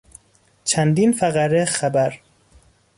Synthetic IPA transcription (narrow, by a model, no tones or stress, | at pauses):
t͡ʃʰænd̪iːnfæɣæɾexæbæɾ